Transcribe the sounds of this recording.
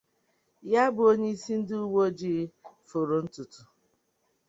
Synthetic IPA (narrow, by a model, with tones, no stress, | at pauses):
ja˦bʊ˨o˦ɲe˦i˦si˦n̩˦dɪ˦u˦wo˦d͡ʒi˦˨˦fo˨ɾo˨n̩˦tu˨tu˨